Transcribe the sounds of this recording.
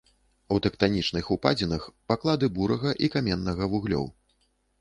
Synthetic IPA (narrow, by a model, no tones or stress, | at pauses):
ut̪ɛkt̪anʲit͡ʂnɨxupad͡zʲinɐxpaklˠad̪ɨbuɾɐɣɐʔikamʲɛnːɐɣɐvuɣlʲɔ̰w